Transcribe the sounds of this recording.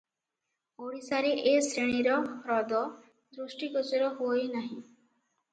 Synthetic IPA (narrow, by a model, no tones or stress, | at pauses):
oɽisaɾeʔesɾeɽ̃iɾɔɾɔd̪ɔ | d̪ɾusʈikɔsiɾɔɦojnaɦĩ